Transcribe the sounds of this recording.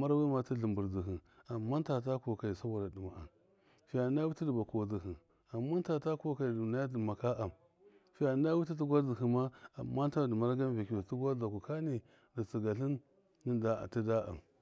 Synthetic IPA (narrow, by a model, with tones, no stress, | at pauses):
ma˦ɾwi˦ma˨ti˦ɮi˨mbu˨ɾzi˨ɦi˨ | a˨mːa˦nta˨ta˦ko˨ka˨i˨sa˦wa˨ɾa˨di˨ma˨a̰˨m | fi˦ja˨˦a˦wi˦ti˦di˨ba˨ku˨a˨zi˨ɦi˨ | a˨mːa˦n˦ta˨ta˦ko˦ka˨i˨na˦ja˦dma˨ka˦ʔa˨m | fi˦a˨˦a˦wi˦t̬i˦t̬i˦ɡʷa˦d͡zi˨ɦi˨ma˦a˨mːa˦n˦ta˦˨də˨ma˦ɾɡa˦m˦va˨ki˨u˨ti˦ɡʷa˦da˨ku˨ka˦ni˨ | di˨t͡si˨ɡa˨ɬi˦n | ni˦da̰˦˨ti˦da˦a̰˨m